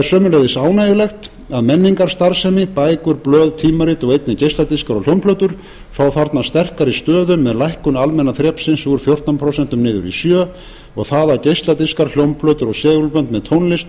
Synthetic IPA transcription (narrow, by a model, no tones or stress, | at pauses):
ɾsœːmʏlɛjðɪsaːwnajʏlɛxt̪ | aðmɛnːiŋkaɾ̥st̪aɾ̥sɛmɪpaːjkʏɾplœːðt̪ʰiːmaɾiːt̪ɔɣejt̪nɪcejst̪lat̪ɪskaɾɔɣljowmpʰlœːt̪ʏɾ̥ | faːwθaɾt̪nast̪ɛr̥kaɾist̪œːðʏmːɛðlajhkʏnalmɛnːaθɾjɛːpsɪnsuɾfjowr̥t̪anpʰɾowsɛn̥t̪ʏmnɪːðʏ̰ɾḭsjœː | ɔɣθaːðacejst̪at̪ɪskaɾl̥jownpʰlœːt̪ʏɾɔɣsɛːɣʏlpœnt̪mɛðt̪ʰownlɪst̪